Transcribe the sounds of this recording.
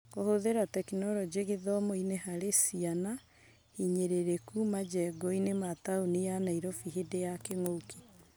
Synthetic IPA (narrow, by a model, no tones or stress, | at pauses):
kohoðeɾatɛkinɔɾɔd͡ʑeɣeðɔmoinehaɾesiana | hiɲeɾeɾekumad͡ʒɛɡɔinemataonijanaiɾɔfiɦedejakeŋokʰi̥